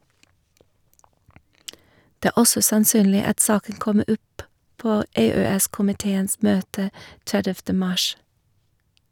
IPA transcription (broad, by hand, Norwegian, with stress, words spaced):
ˈdɛ ˈæː ˈɔsɔ sɑnˈsyːnlɪ ˈɑt ˈsɑːkən ˈkɔmə ˈɔp ˈpoː ˈeːˌøːˌɛskʊmɪˌteːəns ˈmøːtə ˈtɛdɛftə ˈmɑʃ